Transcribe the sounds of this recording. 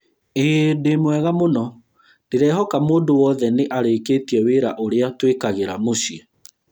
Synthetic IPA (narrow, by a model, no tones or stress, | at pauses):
edemwɛɣamonɔ | d̥eɾɛhɔkamoːndowɔðɛneʔaɾekeːtiɛweɾaʔoɾeatwekaɣeɾamosiɛ